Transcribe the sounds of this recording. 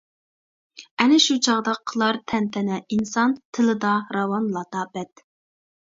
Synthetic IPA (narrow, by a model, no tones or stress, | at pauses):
ɛnɪʃut͡ʃʰɑʁd̪ɑqʰːəlˠɑɾt̪ʰɛnt̪ʰɛnɛinsɑnt̪ʰɨlɨd̪ɑɾɑwɑnlˠɑd̪ɑbɛt̪